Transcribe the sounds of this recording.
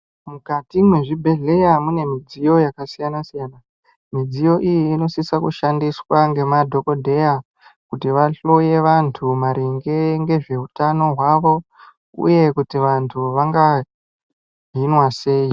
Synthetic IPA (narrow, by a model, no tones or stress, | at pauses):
mukatimweʐibʱe̞ɮe̞jamune̞mid͡zijo̞jakasijanasijana | mid͡zijo̞ʔijiːno̞sisakuʃandiswaŋɡe̞madʱo̞ko̞dʱe̞ja | kutiʋaɬo̞je̞ʋantʰumaɾiŋɡe̞ŋɡe̞ʐe̞utano̞ɦwaʋo̞ | ṵje̞kutiʋantʰuʋaŋɡa | ɦinwase̞ːi